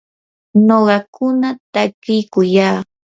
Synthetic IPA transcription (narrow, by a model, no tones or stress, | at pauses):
noɢɑkʊnat̪akɪjkʊjaː